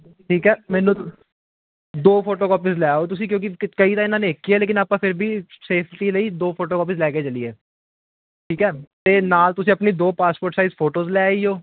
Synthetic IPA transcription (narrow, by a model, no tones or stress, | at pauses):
ʈʰiːkɛːmɛ̃ːnũː | d̪oːpʰoːʈoːkɔːpizlɛːoːt̪̬ʊs̬ĩːkjõːk̬ɪkəiːt̪ãːɪnãːnẽːɪkːiɛːleːkɪnaːpãːpʰɪɾbʱiːseːpʰʈiːləiːd̪oːpʰoːʈoːkɔːpizlɛːkeːt͡ʃəliːɛː | ʈʰiːkɛːt̪eːnaːlt̪ʊsĩəpniːd̪oːpaːspoːɾʈsaizpʰoːʈoːzlɛːioː